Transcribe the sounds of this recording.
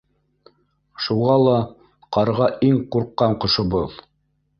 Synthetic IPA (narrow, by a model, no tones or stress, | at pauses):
ʃuʁɑlˠɑ | qɑɾʁɑʔiŋquɾqːɑɴqŏʃobɤð